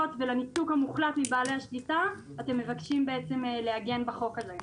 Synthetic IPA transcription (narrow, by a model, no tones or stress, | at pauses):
otvelanitukhamuχlatmibaːlehaʃlita | ate̞mːe̞vakʃimbe̞et͡se̞mleaɡe̞nbaχo̞kaze